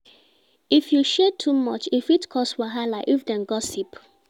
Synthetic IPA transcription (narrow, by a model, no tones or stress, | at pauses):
ifjuʃɛtʰːumɔt͡ʃifitkʰɔstwaɦalaʔifdɛ̃nɡɔsip